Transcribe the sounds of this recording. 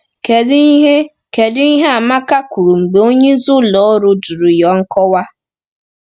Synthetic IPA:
ke˨dɪ˦i˦ɦe˦ | ke˨dɪ˦i˦ɦe˦a˨ma˦ka˦ku˨ɾu˨ŋ͡m̩˨ɡ͡be˨˦o˦ɲe˦zʊ˦lɔ˨˦ɾʊ˦du˨ɾu˨jɔ˦ŋ̩˦kɔ˦wa˦

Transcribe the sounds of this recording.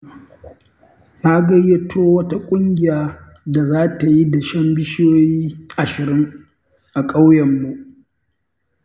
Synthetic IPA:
na˦ɡɐ˦jːe˦tʰoː˦wɐ˦ta˦kʷʼʊ˦ŋɡʲɪ˨jaː˦ | da˨zaː˦ta˨ji˦da˨ʃɐ˦mbɪ˦ʃjoː˦jiː˦ʔa˨ʃɪ˨ɾɪ˦ŋ | ʔa˨kʼa˦wjɛ˨mːu˦ʔ

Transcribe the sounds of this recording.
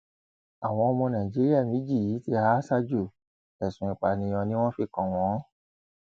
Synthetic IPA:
a˨w̃ɔ̃˧o˧mɔ̃˧nã˨d͡ʒi˦ɾi˦a˦˨mĩ˨˦d͡ʒi˦˨ji˨˦ti˧ha˦sa˧d͡ʒu˦˨ | ɛ˨sũ˨ĩ˨k͡pa˨nĩ˧˦jɔ̃˧nĩ˦w̃ɔ̃˦fi˧˨kɔ̃˨w̃ɔ̃˨˦

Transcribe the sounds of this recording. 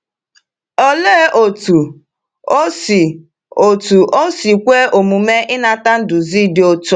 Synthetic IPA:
o˦le˦ʔo˨tu˨˦ | si˨ | o˨tu˨ʔo˦si˨kʷe˦ʔo˨mu˨me˦ʔɪ˦na˨˦ta˦n̩˦dʊ˨zi˦dɪ˦o˦to˦

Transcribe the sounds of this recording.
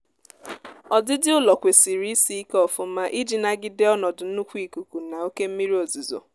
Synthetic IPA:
ɔ˨dɪ˦dɪ˦ʊ˦lɔ˨kʷe˨si˨ɾi˨˦i˦si˦i˦kɔ˨fʊ˦m̩˦ma˦ʔi˦d͡ʒi˨na˦ɡɪ˦de˦ɔ˦nɔ˨dʊ˨n̩˦u˦kʷi˦˨ku˨ku˨na˨o˦ke˦m̩˦mi˦ɾi˦o˨zu˨zo̰˨

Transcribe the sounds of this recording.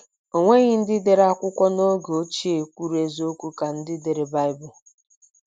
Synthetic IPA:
o˨ŋʷe˦ɣɪ˦n̩˦dɪ˦de˨ɾa˦kʷʊ˦kʷɔ˦no˦ɡo˦t͡ʃi˦e˨kʷu˦ɾe˦zo˦kʷu˦ka˨n̩˦dɪ˦de˨ɾe˨ba˦ɪ˦bʊ˨

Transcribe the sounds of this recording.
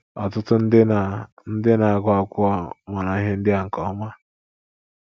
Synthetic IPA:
ɔ˨tʊ˦tʊ˦n̩˦dɪ˦n˨ | n̩˦dɪ˦na˨a˨ɡa˦˨kʷʊ˦ɔ˦ma˨na˨˦ɦe˦n̩˦dɪ˦a˨ŋ̩˨kɔ˨˦ma˦

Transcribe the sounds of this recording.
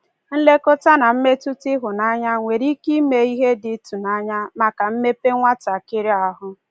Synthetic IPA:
n̩˦le˦kʊ˦ta˦na˨m̩˦me˦tu˦tɪ˦ɦʊ˨na˦ɲa˦ŋʷe˨ɾi˦ki˦me˨i˦ɦe˦dɪ˨˦tu˨na˦ɲa˦ma˨ka˨m̩˦me˦pe˦ŋʷa˦ta˨kɪ˦ɾi˦a˦ɦʊ˦

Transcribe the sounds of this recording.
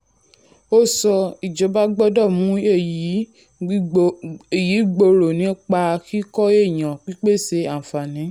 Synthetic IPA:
o˦sɔ˧i˨d͡ʒɔ˨˦ba˦ɡ͡bɔ˦dɔ˦˨mũ˨˦e˦˨ji˨˦ | e˨ji˨˦ɡ͡bo˧ɾo˨nĩ˨˦k͡pa˧kʰi˦kɔ˦e˦˨j̃ã˨k͡pi˦k͡pe˦˨se˧a˨fa˨nĩ˨˦

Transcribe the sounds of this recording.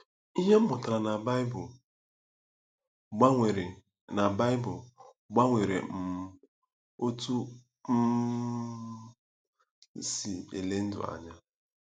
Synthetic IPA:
i˦ɦe˦m̩˦bʊ˨ta˨ɾa˨n˨bb | na˨ba˦ɪ˦bʊ˨ | ɡ͡ba˦ŋʷe˨ɾḛ˨m̩˨ | o˦tu˦ | m̩˦ | si˨ḛ˨le˦n̩˦dʊ̰˨a̰˨ɲa˦

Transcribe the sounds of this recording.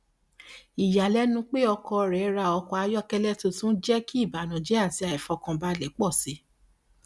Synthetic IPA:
i˨ja˨lɛ˨˦nũ˧k͡pe˦ɔ˧kɔ˧ɾɛ˨˦ɾa˧ɔ˧kɔ˧a˧jɔ˦kɛ˦lɛ˦to˧tũ˦n̩˦d͡ʒɛ˦ki˦i˦˨ba˨nã˨d͡ʒe˨˦a˦˨ti˨˧a˨ɛ˨fɔ˧kã˧ba˧lɛ˨˦k͡pɔ˦˨si˨˦

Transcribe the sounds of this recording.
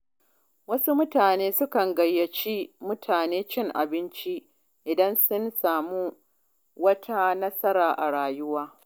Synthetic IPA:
wɐ˦su˦mʊ˦taː˨neː˦sʊ˦kɐ˨ŋɡɐ˨jːɐ˨t͡ʃi˦mʊ˦tʰaː˨neː˦t͡ʃɪ˦˨ŋʔa̰˨bɪ˦nt͡ʃi˦ | ʔɪ˨dɐ˦nsʊ˦nsaː˨mu˦ | wɐ˦tʰa˦nɐ˦sɐ˦ɾaː˨ʔa˨ɽaː˨jʊ˦waː˦

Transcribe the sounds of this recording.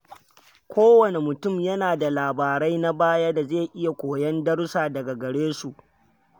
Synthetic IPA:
kʷʰoː˦wɐ˨ne˨mʊ˨tʊ˦˨mjɐ˦naː˨da˨laː˨baː˨ɾɐ˦jna˦baː˦jaː˦da˨zeː˦˨ʔɪ˦ja˨kʷoː˨jɐ˦ndɐ˦ɽsaː˨dɐ˨ɡa˨ɡɐ˨ɽeː˦su˨ʔ

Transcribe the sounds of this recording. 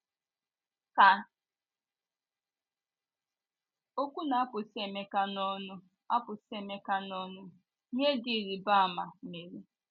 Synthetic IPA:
ka˨ | o˦kʷu˦na˨a˦pʊ˨se˨me˦ka˦nɔ˦nʊ˦ | a˦pʊ˨se˨me˦ka˦nɔ˦nʊ˦ | ɲe˦di˨ɾi˨ba˦a˨ma˨me˨ɾi˦

